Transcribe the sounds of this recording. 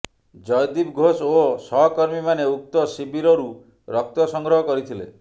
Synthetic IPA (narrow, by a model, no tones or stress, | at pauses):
d͡ʒɔjd̪ibɡʱososɔɦɔkɔɾmimaneuk̚t̪ɔsibiɾɔɾu | ɾɔk̚t̪ɔsɔŋɡɾɔɦɔkɔɾit̪ʰilḛ